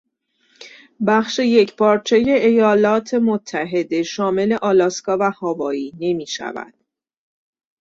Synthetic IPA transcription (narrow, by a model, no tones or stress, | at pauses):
bæχʃe̞je̞cʰpʰɒːɾt͡ʃʰe̞je̞ʔejɒːlɒːt̪ʰe̞mot̪ʰːæɦe̞d̪e̞ʃɒːme̞le̞ʔɒːlɒːskɒːvæhɒːvɒːiːne̞miːʃæ̰væ̰d̪̥